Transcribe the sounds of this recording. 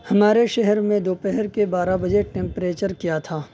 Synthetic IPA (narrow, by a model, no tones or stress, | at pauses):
hɐmaːɾeʃɛɦɛɾmẽd̪oːpɛɦəɾkebaːɾabɐd͡ʒeʈɛ̃ːmpɾeːt͡ʃəɾkijat̪ʰaː